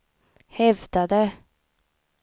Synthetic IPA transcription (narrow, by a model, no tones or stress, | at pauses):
hɛvd̪ad̪ə